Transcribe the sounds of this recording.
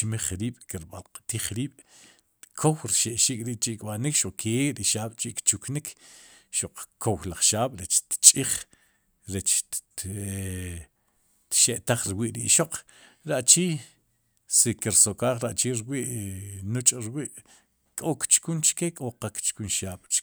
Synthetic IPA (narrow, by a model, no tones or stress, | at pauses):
t͡ʃmiχɾiːɓ̥kiɾɓa̰lqt̪iːχɾiːɓ̥ | kʰowɾiʃeʔʃiːkʼɾiːʔt͡ʃiʔkɓanikʃuq͡χkʰeɾiʃaːɓ̥t͡ʃiʔkt͡ʃuknikʰʃuq͡χkʰowlaχʃaːɓ̥ɾet͡ʃt̪t͡ʃʼiχ | ɾet͡ʃ | t̪ʃeʔt̪aχɾiwiːʔɾiʔʃoq͡χ | ɾaʔt͡ʃiː | sikiɾsokaːχɾaʔt͡ʃiːɾwiːʔnut͡ʃʼɾwiːʔ | kʼokt͡ʃkunt͡ʃkekʼoqakt͡ʃkunʃaːɓ̥t͡ʃ